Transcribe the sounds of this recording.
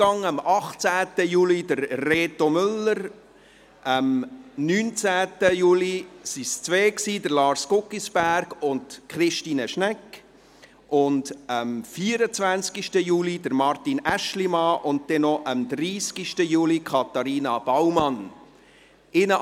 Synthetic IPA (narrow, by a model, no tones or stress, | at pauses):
ɑŋəmɑχt͡sæːtəjuːlid̥əɾreːtomʏlːəɾ | ʔəmnyːnt͡sæːtəjuːlisist͡sveːksiːdəɾlɑːɾskʊkːisb̥æɾɡʊntkχɾɪʃtiːnəʃnɛkː | ʔʊndəmfiəɾət͡sʋænskiʃtəjuːlidəɾmɑɾtinæʃlimɑʔʊnt̚d̥ɛnɔʔəmd̪ɾiːskiʃtəjuːlikʰɑtɑɾiːnɑb̥ɑwmɑn | ɪnə